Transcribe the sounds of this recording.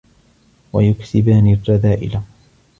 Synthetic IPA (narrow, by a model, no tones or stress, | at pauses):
wajʊkt̪ɪbaːnirˤːɑðaːʔɪ̰la